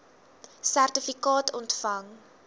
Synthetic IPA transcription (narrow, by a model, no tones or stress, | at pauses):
særtəfikɑːtʰɔntfɐŋ